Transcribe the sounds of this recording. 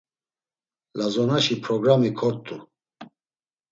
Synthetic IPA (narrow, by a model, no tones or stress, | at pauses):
lazɔnaʃipʰɾɔɡɾamikʰɔɾt̪ʼu